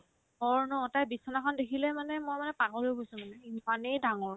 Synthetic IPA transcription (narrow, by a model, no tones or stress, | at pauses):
ɦɔɹnɔtajbisɔnakʰɔndekʰilɛmanɛmɔjmanɛpakɔlojɡojsʊ̃manɛimanejdaŋɔɹ